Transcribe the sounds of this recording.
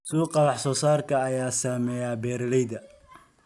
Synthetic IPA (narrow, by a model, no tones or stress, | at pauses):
suːqɑlɑħsɔːsaːrkʰɐːjaːsaːmɛːjaːbɛːɾlɛjðɐ